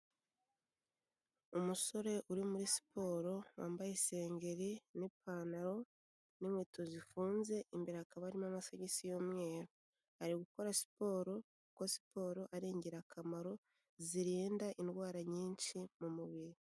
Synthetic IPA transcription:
umuso̞ɾe̞ʔuɾimuɾisi̥pʰo̞ːɾo̞wa̰ːmbajese̞ːŋɡe̞ɾinipʰaːnaɾo̞ | nimwiːtʰozifuːnze̞ʔimbiɾakaβaɾimamasaɟisijomŋe̞ːɾo | haɾiɡuko̞ɾasi̥po̞ːɾo̞kuko̞si̥pʰo̞ːɾo̞ʔaɾiːɲɟeɾakʰamaɾo̞ | ziɾiːndaʔinɡwaːɾaɲiːnʃimumuβiɾi

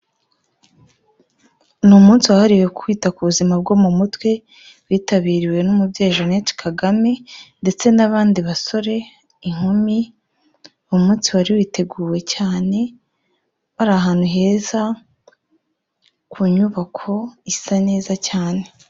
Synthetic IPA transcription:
numuːnsiwahaɾiweku̥kwiːtakuβuzimab̚ɡo̞mumutwe̞ | βwiːtaβiːɾiwe̞numubɟe̞ːʒoneːt͡ʃi̥kʰaɡame̞nde̞t͡se̞naβaːndiβaso̞ɾe̞ | iŋ̥omi | omuːnsiwaɾiwiːte̞ɡuːwe̞caːne̞ | βaɾaɦaːn̥huɦe̞ːza | kʰuɲuβakʰo̞isane̞ːzacaːne̞

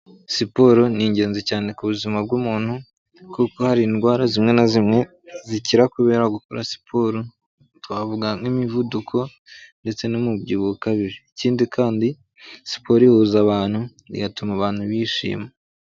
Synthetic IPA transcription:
sipoɾoniːɲɟe̞ːnzicaːnekuβuzimab̚ɡuːmuːn̥hu | kuko̞haɾinɡwaːɾazimŋe̞nazimŋe̞ | ziciɾakuβe̞ːɾaɡukoɾasi̥pʰoɾo | twavuɡaŋimivudukʰo̞ | nde̞t͡se̞nimubɟiːβukaβiɾiːciːndikʰaːndi | si̥po̞ɾihuzaβaːn̥hu | ḭɡatumaβaːn̥huβiːʃḭːma

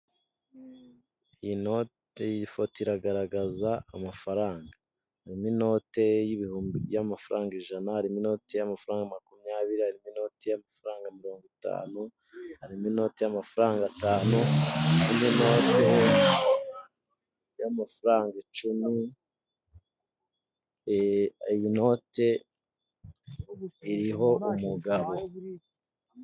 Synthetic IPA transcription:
jino̞te̞jiifotiɾaɡaɾaɡazaːmafaɾaːŋɡa | haɾimino̞ːte̞jiβihuːmbijamafaɾaːŋɡiʒanahaɾimino̞te̞jamafaɾaːŋɡamakumɲaːβiɾihaɾimino̞ːte̞jamafaɾaːŋɡamiɾo̞ːŋɡuta̰ːnu | haɾimino̞ːtejamafuɾaːŋɡataːnuimino̞ːte | jamafuɾaːŋɡat͡ʃumi | ijino̞te̞ | iɾiɦo̞umuɡaβo̞

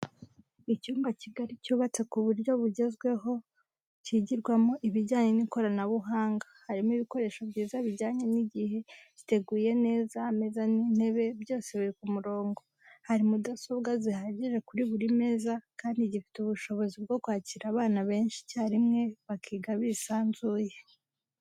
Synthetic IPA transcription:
icuːmbaciɡaɾicuːβat͡se̞kuβuɾjo̞βuɟe̞zɡwe̞ɦo̞ | ciɟiɾɡwamoʔiβiɾɟaːɲe̞niko̞ɾanaβuɦaːŋɡahaɾimiβiko̞ɾe̞ːʃo̞bɟiːzaβiɾɟaːɲe̞niɟihe̞ɟite̞ɡuːje̞ne̞ːzame̞zanin̥he̞βe̞bjo̞ːse̞βiɾikumuɾo̞ːŋɡo̞ | haɾimudasobɡazihaɟiʒe̞kuɾiβuɾime̞ːzakaːndiɟifi̥tuβuʃo̞βo̞zib̚ɡo̞kwaːciɾaβaːnaβe̞ːnʃi̥caaɾimŋe̞βakʰiːɡaβiːsaːnzuːje̞

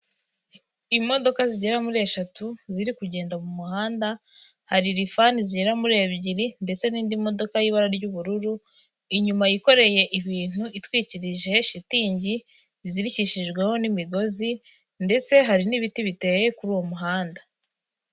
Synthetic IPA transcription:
imo̞do̞kaziɟe̞ɾamuɾe̞ːʃatuziɾikuɟe̞ːndamumuhaːnda | haɾiɾifaniziɟeɾamuɾe̞ːβɟiɾinde̞t͡se̞niːndimo̞do̞kajiβaɾaɾɟuβuɾuɾu | iɲumajiko̞ɾe̞je̞ʔiβiːn̥huitwiːciɾiʒeʃitiːɲɟi | βziɾiciʃiʒɡwe̞ho̞nimiɡo̞zi | nde̞t͡se̞ɦaɾiniβitiβite̞je̞kuɾuːwo̞muɦaːnda

